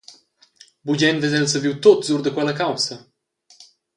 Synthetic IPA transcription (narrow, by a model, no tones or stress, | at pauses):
bud͡ʑɛnvezɛlsəviwt̪ot̪zuɾd̪əkwɛlɐkawsɐ